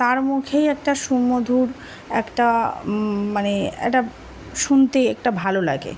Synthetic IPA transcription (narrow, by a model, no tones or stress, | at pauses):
t̪aɾmukʰejɛk̚ʈaʃumːod̪ʱuɾ | ɛ̰kʈa | maneḛʈa | ʃunt̪eɛk̚ʈabʱalola̰ɡḛ